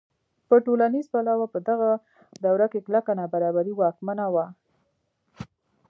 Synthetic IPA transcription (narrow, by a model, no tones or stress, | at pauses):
pəʈolanizbalɑwapəd̪aɣa | d̪awɾakeklakanɑbaɾɑbaɾiwɑkmanawa